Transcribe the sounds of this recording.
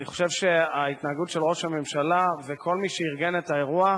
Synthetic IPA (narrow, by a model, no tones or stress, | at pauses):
niχoʃevʃeait̪naːɡutʃelʁo̞ʃhame̞mʃalavekʰo̞lmiʃeiʁɡenetae̞ʁua